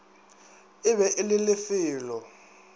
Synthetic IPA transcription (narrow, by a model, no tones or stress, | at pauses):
ɪβɛʔɪlɪlɪfiːlɔ